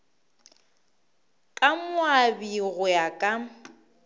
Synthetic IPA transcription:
kʼamʊabiɣʊjakʼa

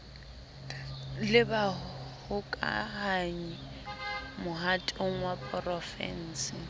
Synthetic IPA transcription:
lɪbahʊkʼa̰haɲi | mʊɦatʼoŋ̩wapʼrɔfɛ̰n̩ːsɪ

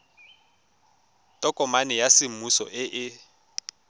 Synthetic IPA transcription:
tʼɔkʼɔmanɪjasɪmusɔ̰ʔɪʔɪ

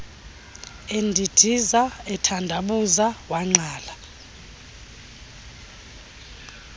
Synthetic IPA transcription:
endʱid̥ʱizaɛtʰandʱaɓuzawaŋ͡ǀaːla

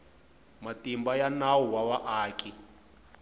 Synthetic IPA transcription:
matimbajanawuwawaʔaːkʼi

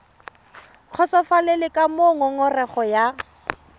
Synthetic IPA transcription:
q͡χʰɔsɔfalɛlɪkʼamoŋɔŋɔrɛχɔja

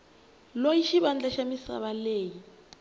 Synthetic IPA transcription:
lojiʃiɓand͡ɮaʃamisa̰βaleːji

